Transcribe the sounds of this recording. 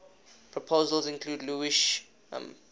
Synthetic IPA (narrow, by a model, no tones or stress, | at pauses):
pʰɹɔpʰoʊzəlzɪ̃nkʰluːdluiʃ | m